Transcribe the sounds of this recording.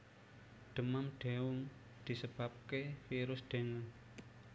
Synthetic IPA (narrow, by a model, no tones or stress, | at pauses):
d̪̥ə̤mamɖ̥ewʊŋ | d̪̥i̤səb̥ap̚kefiɾʊsd̥e̤ŋə